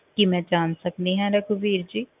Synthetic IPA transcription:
kimɛ̃ːd͡ʒaːnsək̚d̪iɦɛ̃ɾɐkʰubiːɾd͡ʒiː

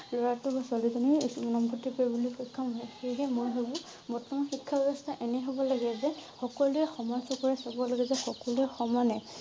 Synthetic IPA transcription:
lɔɹatʊbasalizɔniunɔmpʰɔtːipɔbulixɔjkʰːamɦɛxeɦɛmɔjɦebʊ̃ | mɔtːɔmɔxikʰːabɛbɔstʰaʔenɛɦobɔlaɡɛzɛxɔkɔluɛxɔmansɔkɔɹɛsabɔlaɡɛzɛxɔkɔluɛxɔmanɛ

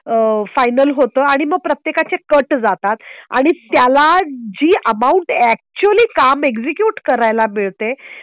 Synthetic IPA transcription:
əfajnəlɦot̪əːaɽ̃iməɡ̚pɾət̪jekat͡sekəʈd͡zat̪at̪a̰ɽ̃it̪jalad͡ʑiːʔəmauɳʈæk̚t͡ɕuəliːkamekd͡ʑikjuʈkəɾajlameɭt̪e

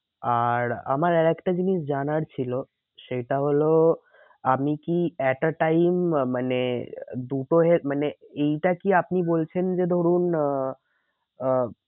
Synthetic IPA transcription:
aɾa̰maɾɛɾɛkʈad͡ʑiniʃd͡ʑanaɾt͡ɕʰilo | ʃejʈaɦolo | amikiɛʈaʈajmmaned̪uʈoɦemaneejʈakiapnibolt͡ɕʰend͡ʑed̪ʱoɾun

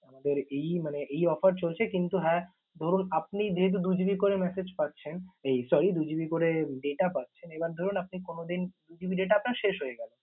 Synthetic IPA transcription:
amad̪eɾejmaneʔejɔfaɾt͡ɕolt͡ɕʰekint̪uɦɛ | d̪ʱoɾunap̚nid͡ʑeɦet̪̬ud̪ud͡ʑibikoɾemɛsed͡ʑpat̪ːɕʰenejsɔɾid̪ud͡ʑibikoɾeɖeʈapat̪ːʃʰenebaɾd̪ʱoɾunap̚nikonod̪ind̪ud͡ʑibiɖeʈ̬aapnaɾʃeʃɦojeɡɛlen

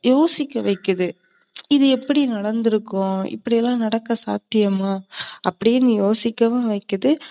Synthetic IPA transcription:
joːsɪkːɐʋɐɪkːɐðɯ | ɪðɯɛpːɐɽinɐɽɐnd̪ɯɾɯkːʊ̃ɪ̰pːɐɽɪjɛlːãːnɐɽɐkːɐsa̰ːt̪ːɪjɐmaːɐpːɐɽɪjeːnːɯjoːsɪkːɐʋɐ̃ʋɐɪkːɐðɯ

